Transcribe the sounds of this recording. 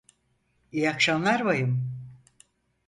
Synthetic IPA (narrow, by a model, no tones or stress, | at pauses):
ijakʃanlˠaɾβajɯm